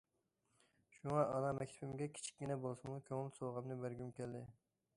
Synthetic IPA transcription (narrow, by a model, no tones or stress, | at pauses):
ʃuŋɑɑnɑmɛkʲt̪ʰɛbɪmɡʲɛkʲʰi̥t͡ʃʰi̥kʲːinɛbolˠsɨmukʲʰøŋɪlsoʁɑmnɨbæɾɡʲymkʲæld̪ɪ